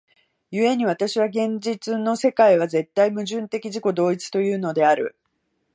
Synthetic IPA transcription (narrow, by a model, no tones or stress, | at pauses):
jɯe̞ɲ̟iβ̞at̪aɕiβaɡẽ̞ɲd͡ʑit͡sɨno̞se̞kaiβ̞aze̞t̪ːaimɯ̟ʑɨ̃nt̪e̞kʲiʑiko̞d̪o̞ːit͡sɨ̥t̪o̞jɯ̟ːno̞d̪e̞aɾɯ̟̰